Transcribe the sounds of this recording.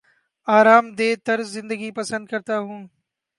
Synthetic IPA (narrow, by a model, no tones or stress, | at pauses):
aːɾaːmd̪eːt̪ɐɾzːɪ̃nd̪əɡipɐsə̃nd̪̚kɐɾt̪aːɦũː